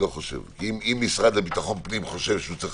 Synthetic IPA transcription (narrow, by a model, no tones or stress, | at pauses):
oχoʃḛvimimːisʁad̪labit̪aχonpnimχoʃevʃeut͡sʁi